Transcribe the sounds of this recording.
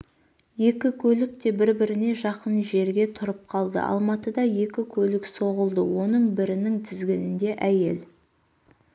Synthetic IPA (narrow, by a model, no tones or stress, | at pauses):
je̞kʲɪkʲʰɵlɪk̚t̪e̞bɪɾbɪɾɪne̞ʒɑqənʒe̞ɾɡʲe̞t̪ʰʊɾəp̚qʰɑlˠd̪ə̰ʔɑ̰lˠmɑt̪əd̪ɑje̞kʲɪkʲʰɵlɪkso̞ʁəlˠd̪əwo̞nəɴbɪɾɪnɪŋt̪ʰɪzɡʲɪnɪnd̪e̞ʔæje̞l